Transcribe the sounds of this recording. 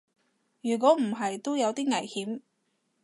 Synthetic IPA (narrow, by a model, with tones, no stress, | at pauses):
jyː˨˩k̬ʷɔː˨˥m̩˨˩ɦɐ˨jt̪o˥wjɐ˨˧wt̪iː˥ŋɐ˨˩jhiː˨˥m